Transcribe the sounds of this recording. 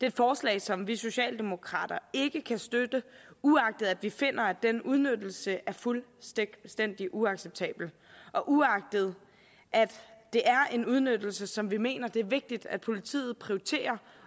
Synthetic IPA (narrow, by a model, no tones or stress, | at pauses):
d̥e̝ed̥fɒːslɛ̰ːɪsɒ̽mʋiso̝ɕɛ̰ːld̥e̝mo̝kʰʁɑ̰̈ːd̥ɐe̝ɡ̥əkʰæsd̥ød̥əuɑ̈ɡ̥̚d̥əð̞̩ˠæd̥ʋife̝n̰ɐæd̥enuð̞ˠnødl̩səʔæɐfulsd̥en̰d̥iʔuɑ̈ɡ̥seb̥̚t͡sʰɛ̰ːb̥l̩ | ʔɒ̽ʔuɑ̈ɡ̥̚d̥ð̞̩ˠ | ʔæd̥ːe̝ʔæɐe̝nuð̞ˠnød̥l̩səsɒ̽mʋime̝̰ːnɐd̥e̝æɐʋe̝ɡ̥̚d̥id̥æd̥̚pʰo̝lit͡sʰḭːð̞̩ˠpʰʁio̝it͡sʰe̝̰ːɐ